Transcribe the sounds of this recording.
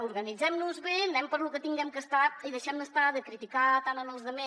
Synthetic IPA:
uɾɣənid͡zɛmnuzβenɛmpəɾlukət̪iŋɡɛmkəst̪at̪iðəʃɛmd̪əst̪aðəkɾit̪ikat̪anənəlˠzðəme

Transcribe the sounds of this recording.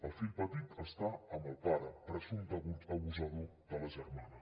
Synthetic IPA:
əlˠfilpət̪it̪ʰəst̪aəmbəlˠpaɾəpɾəzund̪əβut̪əβuzəðud̪ələʒərmanə

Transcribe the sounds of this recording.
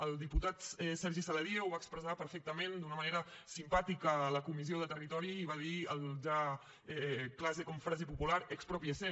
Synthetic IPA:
əlˠd̪iput̪at̪ɛsɛɾʒisələɾiewβaəkspɾəzapəɾfɛk̚t̪əmẽnd̪unəməneɾəsimpat̪ikəːləkumizioðət̪ərit̪ɔɾiːβaðiəlˠʒa | ɛklazekɔɱfɾazipupulaɾəkspɾɔpiəse

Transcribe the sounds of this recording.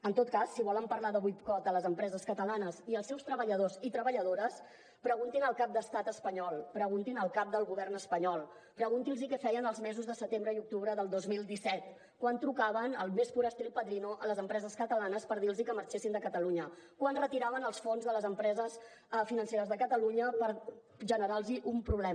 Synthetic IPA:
ənt̪ot̪̚kasːiβɔləmpəɾlaðəβujt̪kɔt̪ələzəmpɾɛzəskət̪əlanəziəlˠsɛwst̪ɾəβəʎəðozit̪ɾəβəʎəðoɾəs | pɾəɣunt̪inəlˠkap̚d̪əst̪at̪əspəɲɔlˠpɾəɣunt̪inəlˠkap̚d̪əlˠɣuβɛrnəspəɲɔlˠ | pɾəɣunt̪ilˠzikɛfɛjənəlˠzmɛzuzðəsət̪embɾəiuk̚t̪uβɾəðəlˠd̪ozmilˠd̪isɛt̪ | kwant̪ɾukaβənəlˠmesfuɾəst̪ilpəðɾinoʔələzəmpɾɛzəskət̪əlanəspəɾðilˠzikəməɾt͡ʃesind̪əkət̪əluɲəkwanrət̪iɾaβənəlˠsfonzðələzəmpɾɛzəs | finənseɾəzðəkət̪əluɲəpəɾ | ʒənəɾalˠziʔumpɾuβlɛ

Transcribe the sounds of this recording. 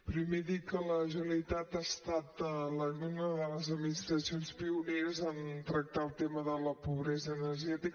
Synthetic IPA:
pɾimeðit̚kələʒəəlit̪at̪ast̪at̪ələɣunəðələzəd̪minist̪ɾəsionspiuneɾəzant̪ɾək̚t̪alˠt̪eməðələpuβɾɛzəːnəɾʒɛt̪ik

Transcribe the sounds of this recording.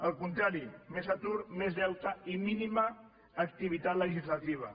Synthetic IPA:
əlˠkunt̪ɾaɾimezat̪uɾmezðɛwt̪əiminiməː | kt̪iβ̞it̪at̪ləʒizlat̪iβ̞ɐ̰

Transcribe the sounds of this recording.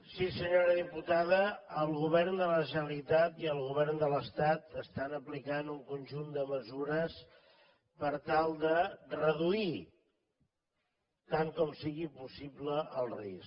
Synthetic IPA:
sisəɲoɾəðiput̪aðəəlˠɣuβɛrnd̪ələʒənəlit̪at̪iəlˠɣuβɛrnd̪ələst̪at̪əst̪anəplikanuŋkunʲʒund̪əməzuɾəs | pəɾt̪alˠd̪ərəðui | t̪aŋkɔmsiɣipusibləʔəlˠrḭs

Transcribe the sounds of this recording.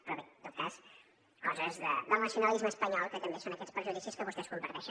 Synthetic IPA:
pɾɔβit̪ot̪̚kas | kɔzəzðə̰ðəlˠnɐsjunɐlizməspɐɲɔlˠkət̪əmbesonɐkɛt̪spɾʒuðisiskəβust̪ɛzβumbəɾðɛʃ

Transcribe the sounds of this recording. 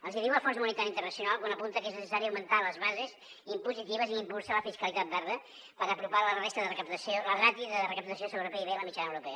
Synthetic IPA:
əlˠziðiwləfɔrs̬munint̪aɾint̪əɾnəsijunalˠkwanəpunt̪əkeznəsəsaɾiawmənt̪aləzβazez | impuzit̪iβəziimpulˠsaləfiskəlit̪at̪̚d̪aɾðə | pəɾəpɾuβalərest̪əðərəkəp̚t̪əsioləɣɾat̪iðərəkəp̚t̪əsiosəβɾupeiβeləmit͡ʃanəwɾupɛə

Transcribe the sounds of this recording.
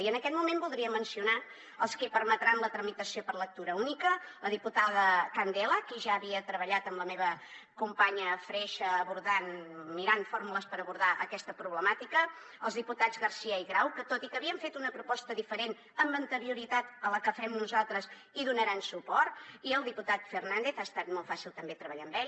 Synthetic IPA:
iənəkɛt̪mumembulˠd̪ɾiəmənsiuna | əlˠskipəɾmət̪ɾanlət̪ɾəmit̪əsiopəɾlək̚t̪uɾəunikələðiput̪aðəkand̪ɛləkiʒaəβiət̪ɾəβəʎat̪əmləmeβə | kumpaɲəfɾɛʃəːβuɾðanmiɾanfoɾmuləspəɾəβuɾðaʔəkɛst̪əpɾuβləmat̪ikə | əlˠzðiput̪ad͡zɣərsiəiɣɾawkət̪ot̪ikəβiəɱfet̪unəpɾupɔst̪əðifəɾen | əmbənt̪əɾiuɾit̪at̪ələkəfɛmnuzalˠt̪ɾəz | iðunəɾansupɔrt̪iəlˠd̪iput̪at̪fərnand̪eθaəst̪at̪mɔlˠfasilˠt̪əmbet̪ɾəβəʎambɛʎ

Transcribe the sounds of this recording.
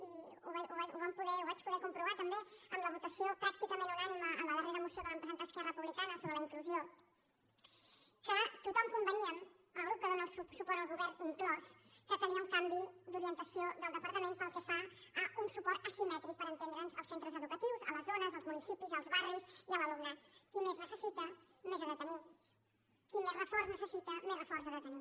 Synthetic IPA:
iuβauβauβampuðɛuβat͡ʃpuðɛkumpɾuβ̞at̪əmbeəmləβut̪əsiopɾak̚t̪ikəmẽnunaniməənəβareðəmusioðələmpɾəzent̪əskɛrəpuβlikanəsoβɾələiŋkluzio | kət̪ut̪ɔmkumbəniən | əlˠɣɾup̚kəðonaːəlˠssupɔɾt̪əlˠɣuβɛrniŋklɔskət̪əniəuŋkambid̪uɾiənt̪əsioðəlˠd̪əpəɾt̪əmẽnpəlˠkɛfaəunsupɔɾt̪əsimɛt̪ɾik̚pəɾənt̪end̪ɾənzəlˠsent̪ɾəzəðukət̪iwzə̰ləzonəzəlˠzmunisipizəlˠzβariziələlonəkimeznəsəsit̪ə | mezəðət̪əni | kimezrəfɔɾznəsəsit̪əmezrəfɔrzəðət̪əni

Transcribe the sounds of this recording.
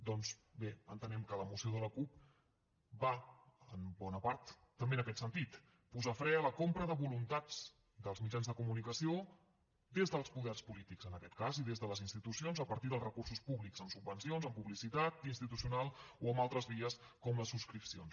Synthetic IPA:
d̪ɔnzbeə̰nt̪ənɛmkələmusioð̞ələkup̚ | baəmbɔnəpaɾt̪ː | əmbeənəkɛt̪sənt̪it̪ | puzafɾɛələkompɾəðəβulunt̪ad͡z | d̪əlˠzmid͡ʒanzðəkumunikəsio | d̪ezðəlˠspuðɛrspulit̪ikzənəkɛt̪̚kaziðezðələzinst̪it̪usionzəpəɾt̪iðəlˠzrəkursuspuβlikzəmsubənsionzəmpuβlisit̪at̪inst̪it̪usiunalˠoəmbalˠt̪ɾəzβiəs | kɔmləsuskɾipsio̰ns

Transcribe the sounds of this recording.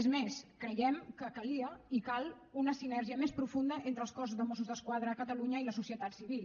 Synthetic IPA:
ezmeskɾəjɛmkəkəliəikalˠ | unəsinɛrʒiəmespɾufund̪əʔent̪ɾəlˠskɔs̬uzðəmɔsuzðəskwaðɾəːkət̪əluɲəiləsusiət̪at̪siβ̞il

